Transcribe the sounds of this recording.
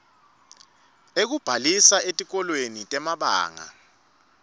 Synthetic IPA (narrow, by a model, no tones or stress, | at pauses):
ek̬ub̥ʱalisaetʼik̬ɔlwenitʼɛmaɓa̰ːŋa̰